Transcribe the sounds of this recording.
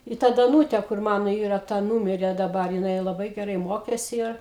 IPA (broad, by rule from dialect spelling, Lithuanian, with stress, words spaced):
ɪ ˈtɐ dɐˈnuːtʲɛ kʊr ˈmɑːnoː ˈiːrɐ ˈtɐ ˈnuːmʲɪrʲeː dɐˈbɐr jɪˈnɐɪ lˠɐˈbɐɪ ɡʲɛˈrɐɪ ˈmoːkʲeːsʲɪ ˈɪr